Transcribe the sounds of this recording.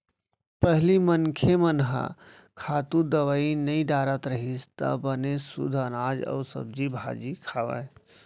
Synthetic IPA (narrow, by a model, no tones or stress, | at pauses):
pəɦlimənkʰemənɦa̰ | kʰaːt̪ud̪əʋaːinəĩɖaɾət̪ɾəɦist̪ə̰bənesṵd̪ʱənaːd͡ʒə̰sə̰b̚d͡ʒibʱa̰d͡ʒikʰaʋə̰j